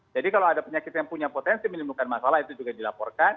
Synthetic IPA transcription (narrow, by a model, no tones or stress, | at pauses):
d͡ʒadikaloadapəɲakit̪jaŋpuɲapot̪ɛnsimənimbukanmasalaɦit̪ud͡ʒuɡadilapɔrkan